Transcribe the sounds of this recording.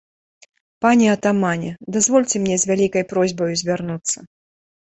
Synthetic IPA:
panʲɛɐt̪amanʲɛd̪azvɔlʲt͡sʲɛmnʲɛzʲvʲalʲikɐjpɾɔzʲbɐjuzʲvʲarnut̪sːɐ

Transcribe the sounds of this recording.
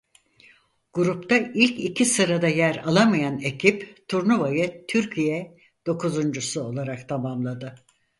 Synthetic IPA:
ɡ̥uɾupt̪ʰailʲcicʰisɯɾad̪ajæɾalˠamajane̞cʰipt̪ʰuɾnuvajɯt̪ʰyɾcʰijɛ | d̪̥o̞kʰuzund͡ʒusuo̞lˠaɾakt̪ʰamamlˠad̪ɯ

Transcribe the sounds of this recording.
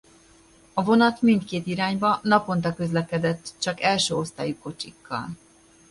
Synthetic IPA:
ɒvo̞nɒt̪mint̪keːt̪iɾaːɲbɒnɒpo̞nt̪ɒkø̞zlɛkɛd̪ɛt̪ːt͡ʃɒkɛlʃøːo̞st̪a̰ːjuko̞t͡ʃikːɒ̰l

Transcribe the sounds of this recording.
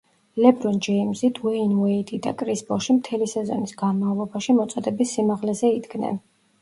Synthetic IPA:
lɛbɾɔnd͡ʒɛimzit̪ʰwɛinwɛid̪id̪a̰kʼɾisbɔʃimt̪ʰɛlisɛzɔ̰nisɡ̥anmavlˠɔbaʃimɔt̪sʼɔd̪ɛbisːimaʁlɛzɛid̪ɡnɛ̰n

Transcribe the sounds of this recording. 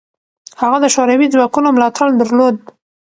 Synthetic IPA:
haɣad̪əʃoɾawid͡zwɑkunomlɑt̪ʰaɽd̪əɾlod̪̚

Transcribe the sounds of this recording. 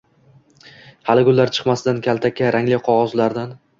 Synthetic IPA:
halɪɡʲʊlːaɾt͡ʃʰɨ̥qmasɪd̪ankʲʰalt̪ʰakʲʰːaɾʔaŋlɪjqʰɒʁɒzlaɾd̪an

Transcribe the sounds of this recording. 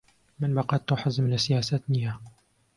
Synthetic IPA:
mɪnbɑqɑt̪ːuħazmlasɪjaːsat̪niha

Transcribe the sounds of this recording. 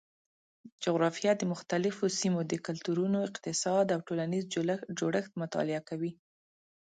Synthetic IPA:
d͡ʒʊɣɾɑfijɑd̪əmʊxt̪alɪfosimod̪əkʊlt̪uɾunoɪqt̪ɪsɑd̪awʈolanizd͡ʒoɽəxt̪mʊt̪ɑ̰lɪakawi

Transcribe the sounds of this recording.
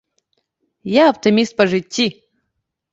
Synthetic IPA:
jaɐpt̪ɨmʲist̪̚pɐʐɨtʲːi

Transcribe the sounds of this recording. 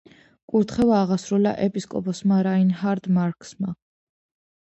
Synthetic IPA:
kʼuɾt̪ʰχɛvaːʁasɾula̰ʔɛpʼiskʼɔ̰pʼɔsmaɾainɦaɾd̪maɾkʼsma

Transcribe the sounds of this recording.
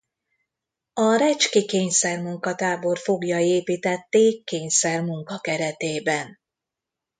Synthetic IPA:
ɒɾɛt͡ʃkikeːɲsɛrmuŋkɒt̪aːbo̞rfo̞ɡjɒeːpiːt̪ɛt̪ːeːkkːeːɲsɛrmuŋkɒkɛɾɛt̪eːbɛn

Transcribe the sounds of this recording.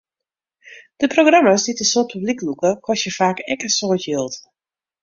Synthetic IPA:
d̥əproɡramasditəsoːt̚pʰybliklukəkʰɔsjəfaːkɛkəsoːtjilˠt

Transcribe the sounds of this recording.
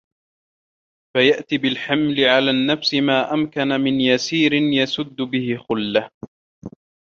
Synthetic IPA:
fajaʔt̪iːbɪlħamlɪʕalaːnːafsɪmaːʔamkanamɪnjasiːɾɪnjasʊd̪ːʊbɪhɪxʊlːah

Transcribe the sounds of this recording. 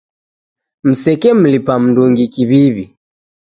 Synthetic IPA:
m̩sɛkɛm̩lipam̩nduŋɡikiβiβi

